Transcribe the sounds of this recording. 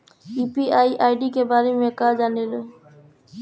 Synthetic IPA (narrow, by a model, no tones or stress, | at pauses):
iːpiːaːiːʔaːɪɖiːkeːbaːɾemẽkaːd͡ʒaːneːl